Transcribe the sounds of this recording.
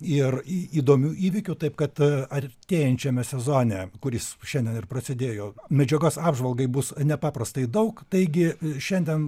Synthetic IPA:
ɪriːd̪oːmʲuːʔiːʋʲɪkʲʊt̪ɐɪp̚kɐt̪ɐt̪ʲeːjɛnʲt͡ʃʲɛmʲɛsʲɛzoːnʲɛkʊɾʲɪsʃʲɛnʲd̪ʲiɛnɪrpɾɐsʲɪd̪ʲeːjoːmʲɛd͡ʒʲɛɡoːsɑːbʒʋɐlˠɡɐɪbʊsnʲɛpɑːpɾɐst̪ɐɪd̪ɐʊkt̪ɐɪɡʲɪʃʲɛnʲd̪ʲɛn

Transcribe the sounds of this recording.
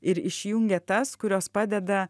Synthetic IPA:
ɪɾɪʃʲjʊŋʲɡʲɛt̪ɐskʊɾʲoːspɑːd̪ʲɛd̪ɐ

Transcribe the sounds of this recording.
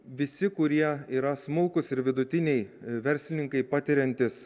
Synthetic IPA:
ʋʲɪsʲɪkʊɾʲiɛiːɾɐsmʊlˠkʊsɪɾʋʲɪd̪ʊt̪ʲɪnʲɛɪʋʲɛɾʲsʲlʲɪnʲɪŋkɐɪpɑːt̪ʲɪɾʲɛnʲt̪ʲɪs

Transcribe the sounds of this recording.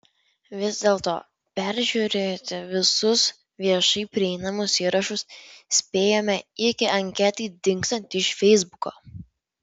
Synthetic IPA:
ʋʲɪzd̪ʲeːlˠt̪o̰ː | pʲɛɾʲʒʲuɾʲeːt̪ʲɪʋʲɪsʊs | ʋʲiɛʃɐɪpʲɾʲɪɛɪnɐmʊsiːɾɐʃʊssʲpʲeːjoːmʲɛɪkʲɪʔɐŋʲkʲɛt̪iɪd̪ʲɪŋkst̪ɐnʲt̪ʲɪʃfʲɛɪzbʊko̰ː

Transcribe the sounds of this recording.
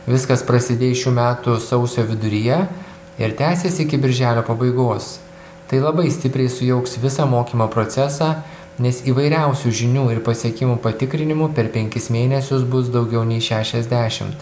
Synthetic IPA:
ʋʲɪskɐspɾɐsʲɪd̪ʲeːʃʲuːmʲæːt̪ʊsɒʊsʲoːʋʲɪd̪ʊɾʲɪjɛ | ɪ̰ɾt̪ʲæːsʲesʲɪɪkʲɪbʲɪɾʲʒʲæːlʲoːpɐbɐɪɡoːs | t̪ɐɪlˠɐbɐɪsʲt̪ʲɪpʲɾʲɛɪsʊjɛʊksʋʲɪsɑːmoːkʲiːmoːpɾoːt̪sʲɛsɑː | nʲɛsiːʋɐɪɾʲæˑʊsʲuːʒʲɪnʲuːɪɾpɐsʲiɛkʲɪmuːpɐt̪ʲɪkɾʲɪnʲɪmupʲɛɾpʲɛŋʲkʲɪsmʲeːnʲɛsʲʊsbʊs̬d̪ɒʊɡʲɛʊnʲɛɪʃʲæːʃʲɛzʲd̪ʲæːʃʲɪ̰mt̪

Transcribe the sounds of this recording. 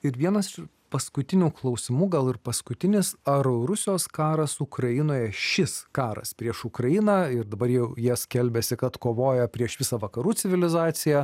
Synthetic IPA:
ɪɾʋʲiɛnɐs | pɐskʊt̪ʲɪnʲuːklˠɒʊsʲɪmuːɡɐlˠɪɾpɐskʊt̪ʲɪnʲɪsɐɾoɾʊsʲɪjoːskɑːɾɐsukɾɐjɪnoːjɛʃʲɪskɑːɾɐ̰spʲɾʲiɛʃʊkɾɐjɪnɑɪɾd̪ɐbɐɾjɛʊjiɛsʲkʲɛlʲbʲɛsʲɪkɐt̪koːʋoːjɛpʲɾʲiɛʃʋʲɪsɐʋɐkɐɾuːt͡s̪ʲɪʋʲɪlʲɪzɑːsʲɪjɛ

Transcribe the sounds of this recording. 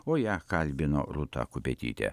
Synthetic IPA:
oːjækɐlʲbʲɪno̰ːɾʊt̪ɑ̰ːkʊpʲet̪ʲḭːt̪ʲɛ̰

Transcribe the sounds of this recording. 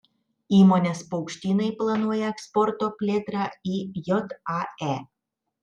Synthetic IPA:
imɔnʲaspowkʃt̪ʲinɐjplˠɐnuɔjɛkspɔrt̪opʲlʲet̪ɾɑijɔt̪aɛ

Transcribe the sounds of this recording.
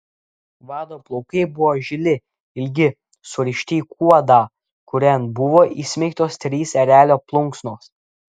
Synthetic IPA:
ʋɑːd̪oːplˠɔʊkɐɪbʊʋoːʒʲɪlʲɪ | ɪlʲɡʲɪ | sʊɾʲɪʃʲt̪ʲiːkʰuɔd̪ɑː | kʊɾʲɛnbʊʋoːʔiːsʲmʲɛɪkt̪oːst̪ʲɾʲiːsɛɾʲæːlʲoːplˠʊŋksnoːs

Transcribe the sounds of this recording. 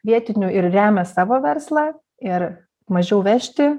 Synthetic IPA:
ʋʲiɛt̪ʲɪnʲʊɪɾrʲæːmʲɛsɑːʋoːʋʲɛrslˠɑː | ɪɾ | mɐʒʲɛʊʋʲæʃʲt̪ʲɪ

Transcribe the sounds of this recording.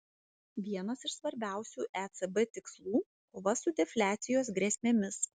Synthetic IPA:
ʋʲiɛnɐsɪʃsʋɐɾʲbʲæˑʊsʲuːʔɛt̪sɛbɛt̪ʲɪkslˠuː | bʊʋɐsʊd̪ʲɛfʲlʲæːt̪sʲɪjoːs̬ɡɾʲɛsʲmʲɛmʲɪs

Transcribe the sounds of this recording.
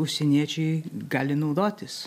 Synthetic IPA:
ʊʃʲsʲɛnʲiɛt͡ʃʲɛɪɡɑːlʲɪnɐʊd̪oːt̪ʲɪs

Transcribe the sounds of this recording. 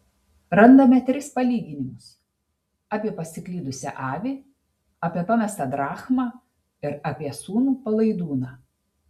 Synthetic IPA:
ɾɐnd̪ɐmʲɛt̪ʲɾʲɪspɐlʲiːɡʲɪnʲɪmʊs | ɑːpʲiɛpɐsʲɪklʲiːd̪ʊsʲɛ̰ʔɑːʋʲeː | ɑːpʲɛpɑmʲɛst̪ɑːd̪ɾɑːxmɑː | ɪɾɐpʲiɛsuːnuːpɐlˠɐɪd̪uːnɑː

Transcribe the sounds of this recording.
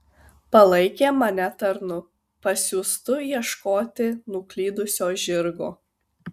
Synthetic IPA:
pɐlˠɐɪkʲeːmɐnʲɛt̪ɐɾnʊ | pɐsʲuːst̪ʊjiɛʃkoːt̪ʲɪnʊklʲiːd̪ʊsʲoːʒʲɪɾɡoː

